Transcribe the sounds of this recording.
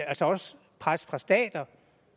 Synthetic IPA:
ælsɒɒ̽s | pʰʁasfʁɑ̈sd̥ɛ̰ːd̥ɐ

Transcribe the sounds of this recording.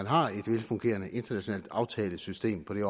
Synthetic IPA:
ænɦɑ̈e̝d̥ʋelfɔ̽ŋɡ̥e̝̰ːɐnəʔe̝nd̥ɐnæɕo̝nɛ̰ld̥ɑ̈ʊt͡sʰɛːləsysd̥e̝̰ːmpʰɒ̽ɾ̥e̝ɒ

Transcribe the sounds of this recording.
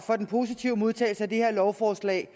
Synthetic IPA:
fɒ̽d̥enpʰo̝ːs̬it͡sʰiʊ̰əmo̝ð̞ˠt͡sʰɛ̰ːl̩səæd̥ehe̝ɐ̰lɒʊfɒːslɛ̰ːɪ

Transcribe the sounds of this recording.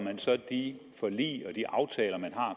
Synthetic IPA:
mænsɒ̽d̥i | fɒ̽lḭːɒ̽d̥iʔɑ̈ʊt͡sʰɛːlɐmænɦɑ̈

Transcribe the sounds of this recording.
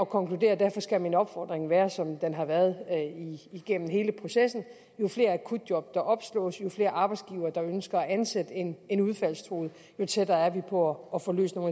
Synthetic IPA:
ɒ̽kʰɒ̽ŋklude̝̰ːɐd̥æɐfɒ̽sɡ̥æminɒ̽b̥fɒ̰d̥ʁeŋʋæːɐsɒ̽md̥enɦɑ̈ʋæɐð̞ˠiiɡ̥en̰n̩ɦe̝ːləpʰʁo̝sesn̩ | jo̝fle̝̰ːɐækʰud̥jɒ̽b̥̚d̥ɑ̈ʔɒ̽b̥slɔ̰̽ːsjo̝fle̝ːɐʔɑ̈ːb̥ɑ̈ɪdsɡ̥iːʊɐːd̥ɑ̈ønsɡ̥ɐːænsed̥əene̝nuð̞ˠfæl̰st͡sʰʁo̰ːð̞̩ˠ | jo̝t͡sʰed̥ɐæɐʋipʰɒ̽ːfo̽ːlø̰ːsno̝ːn

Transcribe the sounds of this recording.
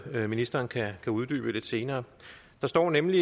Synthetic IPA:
minisd̥ɐːnkʰækʰæuð̞ˠd̥y̰ːb̥əle̝d̥se̝ːnɐː | d̥ɑ̈sd̥ɒ̰ːnemli

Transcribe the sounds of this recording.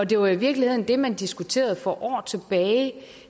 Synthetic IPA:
ɒ̽d̥e̝ʋɑ̈iʋiɐɡ̥lihe̝ð̞̰ˠn̩d̥e̝mænd̥isɡ̥ut͡sʰe̝̰ːɐð̞̩ˠfɒ̽ʔɒ̰ːt͡sʰe̝b̥ɛːɪ

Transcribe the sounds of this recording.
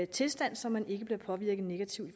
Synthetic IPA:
t͡sʰe̝lsd̥æn̰sɒ̽mːæne̝ɡ̥əb̥leɐpʰɒ̽ʋiɐ̰ɡ̥ð̩ˠne̝ɡ̥æt͡sʰiʊ̰̥

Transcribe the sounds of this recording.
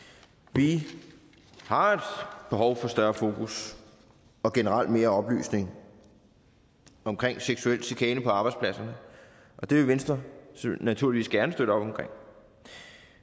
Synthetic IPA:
ʋi | hɑ̈ed̥b̥e̝ɦɒʊfɒ̽sd̥ɶɐfo̝ːkʰus | ɒ̽ɡ̥enəʁal̰d̥̚me̝ːɐɒ̽b̥ly̰ːsne̝ŋ | ɒ̽mkʰʁeŋ̰seɡ̥suel̰d̥sikʰɛːnəpʰɒ̽ɑ̈b̥ɑ̈ɪdspʰlæsɐnə | ʔɒ̽d̥e̝ʋe̝ʋensd̥ʁɐsnæt͡sʰuɐliʋḭːsɡ̥æɐnəsd̥øɾ̥əɒ̽b̥ɒ̽mkʰʁeŋ̰

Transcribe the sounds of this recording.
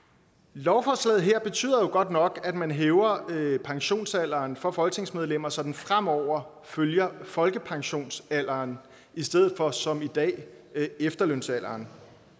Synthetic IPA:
lɒʊfɒːslɛ̰ːð̩ˠɦeɐ̰b̥e̝t͡sʰy̰ːð̰ˠɐjo̝ɡ̥ɒ̽d̥nɒ̽ɡ̥æd̥mænɦeːʊɐpʰɑ̈ŋɕo̝̰ːnsæl̰ɐːnfɒ̽fɒ̽lɡ̥t͡sʰe̝ŋsmeð̞ˠlem̰ɐsɒ̽d̥n̩fʁam̰ɒʊ̰ɐ | føljɐfɒ̽lɡ̥əpʰɑ̈ŋɕo̝̰ːnsæl̰ɐːn | isd̥eð̰̩ˠfɒ̽sɒ̽mid̥ɛ̰ː | efd̥ɐløn̰sæl̰ɐːn

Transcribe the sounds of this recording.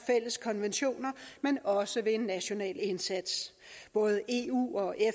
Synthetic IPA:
fel̰əskʰɒ̽nʋenɕo̝̰ːnɐmenɒ̽səʋe̝e̝nːæɕo̝nɛ̰ːle̝nsæd̥s | b̥ɔ̽ːð̞ˠəʔe̝ṵːɒ̽ʔe

